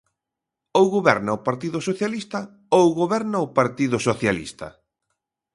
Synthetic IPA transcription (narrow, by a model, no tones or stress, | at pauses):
owɣoβɛɾnɐʊpaɾt̪iðʊsoθjalist̪ɐ | owɣoβɛɾnɐʊpaɾt̪iðʊsoθjalḭst̪ɐ̰